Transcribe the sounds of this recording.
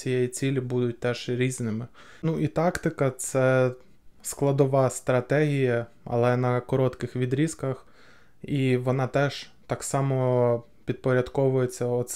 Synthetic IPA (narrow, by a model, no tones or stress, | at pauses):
t͡sʲijɛjit͡sʲilʲibud̪ʊt̚ʲt̪ɛʒ̥ɾʲiznɪmɪ | nuʔit̪ɑkt̪ɪkɐt̪sɛ | sklˠɐd̪ɔʋɑst̪ɾɐt̪ɛɦʲijɐɐ̰lˠɛnɐkɔɾɔt̪kɪxʋʲid̪ɾʲiskɐx | iʋɔnɑt̪ɛʒ̥t̪ɑksɑmɔ | pʲid̪̚pɔɾʲɐd̪kɔʋʊjet͡sʲːɐɔt̪s